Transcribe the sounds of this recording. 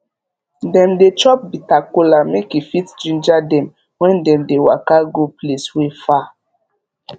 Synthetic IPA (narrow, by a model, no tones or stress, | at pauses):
dɛ̃mdet͡ʃɔp̚bitakulamekifitd͡ʒĩnd͡ʒadɛ̃m | wɛ̃ndɛ̃mdewa̰kaɡupleswefa